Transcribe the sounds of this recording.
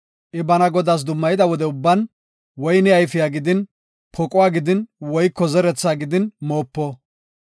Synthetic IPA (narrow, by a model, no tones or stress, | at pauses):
ʔɪbɐnɐɡɔd̪as̬d̪ʊmːɐjɪd̪ɐwɔd̪ɛʊbːɐn | wɔjnɪɐjfɪjaːɡɪd̪ɪn | pʰɔkʼʊwaːɡɪd̪ɪnwɔjkːɔzɛɾɛt͡sːaːɡɪd̪ɪnmo̞ːpːɔ